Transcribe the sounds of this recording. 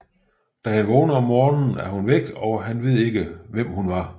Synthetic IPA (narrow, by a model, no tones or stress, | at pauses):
d̥æhænʋɔːnəɒ̽mːɒːnn̩æɐhunʋeɡ̥ɒ̽ɦænʋe̝ð̞̰ˠe̝ɡ̥əʋem̰hunʋɑ̈